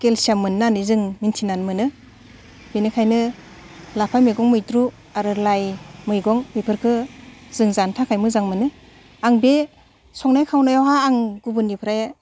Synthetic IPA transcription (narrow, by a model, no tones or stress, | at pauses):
kelsiamɯnːanɯzɯŋmintʰinanmɯnɯ | benɯkʰajnɯ | lapʰajmeɡɔŋmɯjtɾu | aɾɯlajmɯjɡɔŋmipʰɯɾkʰɯzɯŋzantʰakʰajmɯzaŋmɯnɯ | aŋbe | sɔŋnajkʰawnajawɦaːŋɡubɯnːipʰɾaja